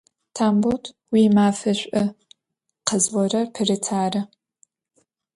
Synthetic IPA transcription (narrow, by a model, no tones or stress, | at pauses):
tʰaːmboltʰ | wiːmaːfɐɕʷʼɐ | qəzwɔɾɐrpʰɨrɨtʰaːrɐ